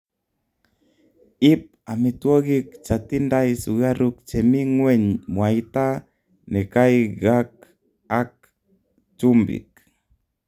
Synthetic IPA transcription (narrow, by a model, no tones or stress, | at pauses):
ip̚amit̪uoɣik̚t͡ʃat̪indajsuɣaɾuk̚t͡ʃemiŋweɲmwajt̪a | nekajɡak̚ | ak̚ | t͡ʃumbḭk̚